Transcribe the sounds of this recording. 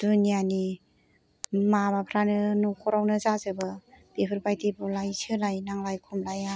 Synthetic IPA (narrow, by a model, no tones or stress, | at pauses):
d̥unijani | mabapʰɾanɯnukʰɔɾawnɯzazɯbɯb̥epʰɯɾbajtibulajsʰɯlajnaŋlajkʰumlaja